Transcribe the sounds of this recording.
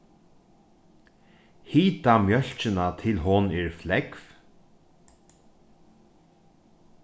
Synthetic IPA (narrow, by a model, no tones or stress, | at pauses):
hiːt̪amjœl̥t͡ʃɪnat̪ʰɪlɦɔnɛːɹflɛkf